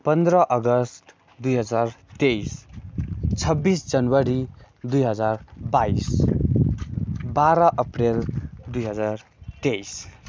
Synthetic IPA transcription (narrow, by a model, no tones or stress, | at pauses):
pʌnd̪ɾʌʔʌɡʌsʈ | d̪ujɦʌd͡zart̪ejs | t͡sʰʌbːisd͡zʌnwʌɾi | d̪ujɦʌd͡zarbais | baɾʌʔʌpreld̪ujɦʌd͡zart̪ejs